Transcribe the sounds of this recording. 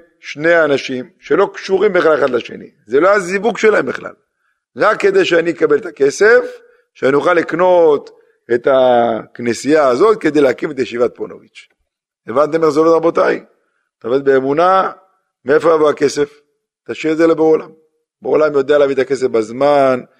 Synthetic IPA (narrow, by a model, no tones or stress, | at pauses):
ʃne̞anaʃimʃe̞lo̞kʃuʁimbeχaleχad̪laʃe̞̰nḭ | zeloazivuɡʃelaembeχla̰l | ʁakːe̞d̪e̞jʃeaniekabe̞let̪ake̞se̞f | ʃeanijuχalːikno̞t̪ | e̞t̪aknesijaːzo̞t̪̚ke̞d̪e̞jleakimet̪ajeʃivat̪̚pono̰vit͡ʃ | evant̪emeχzolot̪ʁabo̞t̪aj | t̪avet̪beːmuna | meefojavoake̞se̞f | t̪aʃiezelebeolam | beolamjo̞d̪ealeavit̪ake̞sefbazman